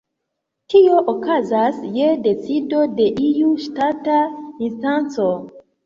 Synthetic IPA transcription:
tʰioʔokazasjedet͡sidodeʔijuʃtataĩnstãnso

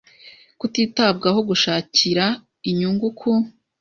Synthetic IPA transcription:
kutiːtab̚ɡaɦo̞ɡuʃaːciɾa | iɲuːŋɡukʰu

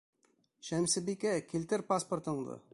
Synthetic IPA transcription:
ɕæmsɘ̆bikækilt̪ɘɾpaspŏrt̪ɤ̆ɴd̪ɤ̰

